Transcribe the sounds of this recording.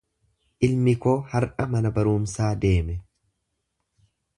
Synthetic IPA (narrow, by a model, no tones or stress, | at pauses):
ʔɪlmɪkoːhɐɾʔɐmɐnɐbɐɾuːmsaːd̪e̞ːmɛ